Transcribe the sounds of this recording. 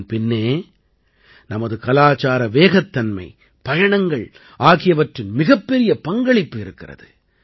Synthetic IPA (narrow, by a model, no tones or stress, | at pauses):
npɪnːeː | nɐmɐðɯkɐlaːt͡ʃaːɾɐʋeːɣɐt̪ːɐnmɐ̰ɪ | pɐjɐɳɐŋɡɐɭ | ʔaːɣɪjɐʋɐʈrɪnmɪɣɐpːɛɾɪjɐpɐŋɡɐɭɪpːɯɪɾɯkːɪrɐ̰ðɯ